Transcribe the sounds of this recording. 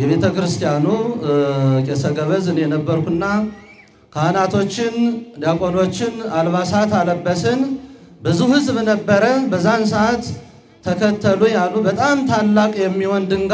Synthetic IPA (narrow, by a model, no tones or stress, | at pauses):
jɛβe̞t̪ʰəkɨɾɨst̪ʰijanu | kʼesəɡəβəzɨnjɛnəbːəɾkʷuɨnːa | kʰəanat̪ʰo̞t͡ʃːɪnd̪akʼo̞no̞t͡ʃːɪnalβasat̪aləbːəsɨnbɨzuhɨzbnəbːəɾəbəzːansəʔat̪ʰː | əkʰət̪ʰːəluɲjalubət̪ʼamt̪ʰalːakʼjɛmːiwɔnd̪ɨŋɡ